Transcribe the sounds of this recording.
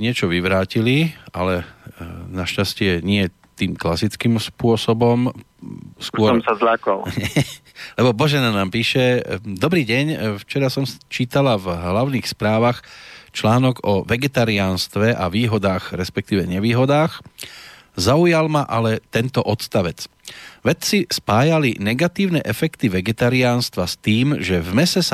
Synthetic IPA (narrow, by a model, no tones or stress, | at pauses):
ɲɪɛt͡ʃɔʋiʋɾaːcilia̰lɛ | naʃcascɪɛɲɪɛ | t̪iːmklasit͡skiːmspʊɔsɔbɔm | skʊɔɔmsazlakɔl | lɛbɔbɔʒɛnanaːmpiːʃɛd̪ɔbɾiːɟɛɲft͡ʃɛɾasɔmt͡ʃiːt̪alavɦlaʊniːxspɾaːʋaxt͡ʃlaːnɔɡɔʋɛɡɛt̪aɾianst̪ʋɛʔa̰ʋiːɦɔd̪aːxɾɛspɛk̚t̪iːʋɛɲɛʋiːɦɔd̪aːx | zaujalmaʔalɛt̪ɛnt̪ɔʔɔt̪st̪aʋɛt͡s | ʋɛt͡sispaːjalinɛɡat̪iːʊnɛʔɛfɛkt̪iʋɛɡɛt̪aɾianst̪ʋast̪iːmʒɛvmɛsɛs